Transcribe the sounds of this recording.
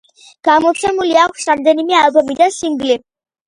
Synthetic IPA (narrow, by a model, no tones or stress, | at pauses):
ɡ̥amɔsʰɛmuliakʷʰsɾamd̪ɛnimɛalˠbɔmid̪ansiŋɡli